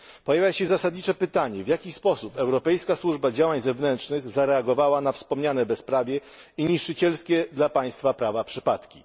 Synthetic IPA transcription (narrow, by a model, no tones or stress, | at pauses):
pɔjavʲjaɕɛzasad̪ɲit͡ʂɛpɘt̪aɲɛvʲjakʲispɔsupɛwɾɔpɛjskaswuʐbad͡ʑawaɲzɛvnɛntʂnɘɣzaɾɛaɡɔvawanafspɔmɲanɛbɛspɾavʲjɛ | iɲiʂɘt͡ɕɛlskʲɛd̪lapaj̃st̪fapɾavapʂɘpat̪kʲi